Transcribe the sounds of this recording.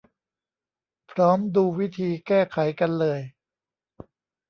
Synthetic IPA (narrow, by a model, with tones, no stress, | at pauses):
pʰɾɔː˦˥mduː˧wi˦˥t̪ʰiː˧kɛː˥˩kʰa˩˦jka˧nlɤː˧j